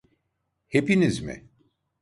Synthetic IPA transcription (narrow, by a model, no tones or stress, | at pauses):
hepinizmɪ̰